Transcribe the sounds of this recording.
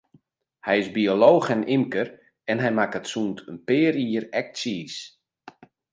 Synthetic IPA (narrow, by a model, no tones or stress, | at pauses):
hɛjɪzbioloːxɛnʔimkər | ɛnɦɛjmakətsuːntʰənpɪːɾiəɾɛk̚siːs